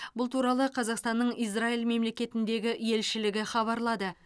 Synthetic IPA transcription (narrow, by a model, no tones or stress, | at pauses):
bʊlˠt̪ʰuɾɑlˠəqʰɑzɑqst̪ɑnːəɴijs̬railˠme̞mle̞kʲe̞t̪ɪnd̪e̞ɡʲɪje̞lʃɪlɪɡʲɪχɑβɑɾlˠɑd̪ə